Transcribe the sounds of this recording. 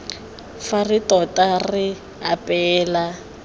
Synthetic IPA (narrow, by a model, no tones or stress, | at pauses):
faritɔtʼarɪ | apʼɛːla